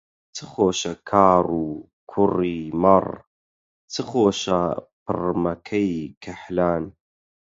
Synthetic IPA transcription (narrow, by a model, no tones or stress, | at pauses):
t͡sʰɨxoːʃɐkʰaːɾuː | kʰʊriːmɐr | t͡sɨχoːʃɐpʰɨ̰rmɐkʰɐjkʰɐħlaːn